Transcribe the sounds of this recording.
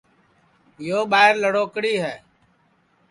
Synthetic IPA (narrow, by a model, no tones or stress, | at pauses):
joːɓaːɪɾləɽoːkɽiːɦɛː